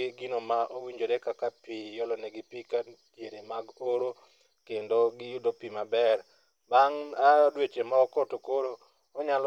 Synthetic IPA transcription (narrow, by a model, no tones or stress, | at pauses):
ɪɡɪnomaʔowiɲd͡ʒoɾɛkakapijɔlɔnɛɡɪpikatjeɾemaɡoɾo | kendoɡɪjudopimabɛr | baŋadwet͡ʃemaɔkɔtokoɾo | ɔɲal